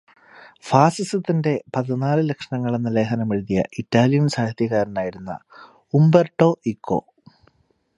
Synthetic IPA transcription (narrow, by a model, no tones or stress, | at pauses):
faːsisɨt̪ːinde̞pɐðinaːlɨlekʂɐɳɐŋːɐɭe̞nːɐle̞ːɦɐnɐmeɻðijɐ̰ʔitːaːlijɐnsaːhɐðjɐɣaːɾɐnaːjiɾunːɐ̰ | umberʈːo̞ːʔikʰːo̞̰